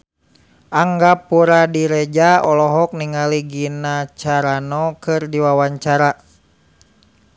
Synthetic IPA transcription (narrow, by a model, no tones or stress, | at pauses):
ʔaŋɡapuɾadiɾed͡ʒaɔlɔɦɔk̚niŋaliɡinat͡ʃaɾanɔkɨrdiwawaɲt͡ʃaɾa